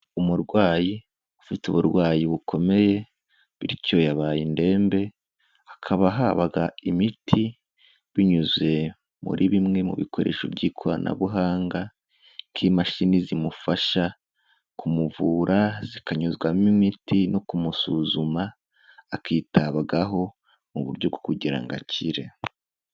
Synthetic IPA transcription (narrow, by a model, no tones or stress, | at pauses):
umuɾɡwaːji | ufituβuɾɡwaːjiβukʰo̞me̞je̞ | βiɾico̞jaβaːjinde̞ːmbe̞ | akʰaβaɦaβaɡaimitʰi | βiɲuzwe̞ | mṵɾʔiβimŋe̞mṵβḭkʰo̞ɾe̞̰ːʃo̰bɟiːkʰoɾanʔa̰βuɦaːŋɡa | ŋkʰimaʃinizimufaʃa | kʰumuvuːɾʔazikaɲuzɡwamimitino̞kumusuzumaː | kiːtaβaɡaɦo̞ | muβuɾɟo̞ɡokuɟiɾa̰ŋɡa̰ciɾe̞